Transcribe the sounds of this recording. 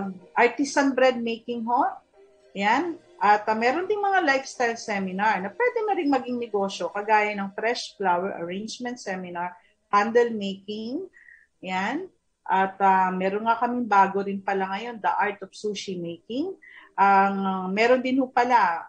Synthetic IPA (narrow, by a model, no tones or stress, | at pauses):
pɐɡ̚ʔɐɹt̪ɪsɐnbɾɛd̪̚mejkɪŋɦo̞ | jan | ʔɐt̪mɛːɾond̪ɪŋmɐŋalajfst̪ajlsɛmɪnaɹnɐpwɛd̪ɛnɐɾɪŋmɐɡɪŋnɛɡo̞ːʃo̞kɐɡaːjɐnɐŋfɾɛʃflawɛɹʔɐ̰ɹẽjnd͡ʒmɛ̃nt̪sɛmɪnɐɹ | pand̪ɛlmejkɪŋ | jan | ʔɐt̪ɐmɛːɾonŋakɐmɪŋbaːɡoɾɪnpɐlaŋɐjo̞nd̪ɐʔaɹt̪ofsoːʃimejkɪŋ | ʔɐŋmɛːɾond̪ɪnhʊpɐla